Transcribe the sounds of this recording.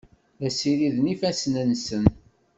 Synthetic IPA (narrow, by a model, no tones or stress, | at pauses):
æsiɾiðnifæsnənsən